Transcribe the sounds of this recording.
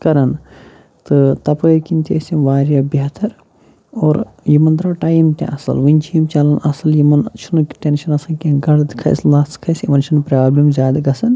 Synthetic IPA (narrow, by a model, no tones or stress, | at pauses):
kɐɾɐn | t̪ɨt̪ɐpəːkint̪esʲiʋaːɾjɐbjɐt̪ʰɐɾ | oːɾjimɐnd̪ɾɐːʈaːjmt̪ḛ̃ʔɐsɐ̰lʋɨnʲt͡ʃʰiːmt͡ʃɐlɐnɐsɐljimɐnt͡ʃʰunkʈenʃɐnɐsɐkẽɡɐɽd̪kʰɐ̰jslaːskʰɐsimɐnt͡ʃʰɐnpɾaːblɐmzʲjaːd̪ɐɡɐsɐn